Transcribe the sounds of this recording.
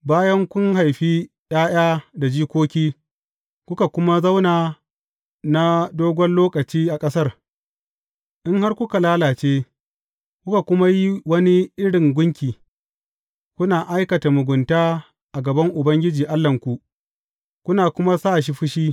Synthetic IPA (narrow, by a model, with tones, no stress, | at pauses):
baː˦jɐ˦ŋkʷʊ˦ŋɦa˨jɸiː˦ | j̰aː˦j̰aː˦da˨d͡ʒiː˦kʷoː˦kʲiː˦ | kʷʊ˦ka˨kʷʊ˦ma˦zɐ˦wnaː˨ | na˦doː˦ɡʷɔ˦nloː˦kɐ˨t͡ʃiː˦ʔa˨kʼɐ˦sɐ˦r | ʔɪ˦ŋɦa˦rkʷʊ˦ka˨laː˦laː˨t͡ʃeː˦ | kʷʊ˦ka˨kʷʊ˦ma˦ji˦wɐ˦ni˦ʔɪ˦ɽɪ˨ŋɡʷʊ˦ŋkʲiː˨ | kʷʊ˦naː˨ʔa˦jkɐ˨ta˨mʊ˨ɡʷʊ˨ntaː˦ | ʔa˨ɡɐ˨bɐ˦ŋʔʊ˨bɐ˦ŋɡʲɪ˦d͡ʒiː˨ʔa˦lːɐ˨ŋkʷu˨ | kʷʊ˦naː˨kʷʊ˦ma˦sa˦˨ʃ̬i˦ɸɪ˦ʃiː˦